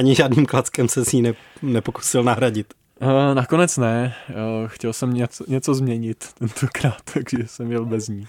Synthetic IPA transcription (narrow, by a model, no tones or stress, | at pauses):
aɲɪʒaːdniːmklat͡skɛmsɛsɲiːnɛ | nɛpoku̥sɪlnaɦɾaɟɪt̪ː | nako̞nɛt͡snɛ | xcɛlsɛmɲɛɲɛt͡so̞zmɲɛɲɪt̪ːɛnt̪ʰokɾaːt̪ːaɡ̥ʒɛsɛmjɛlbɛzɲiː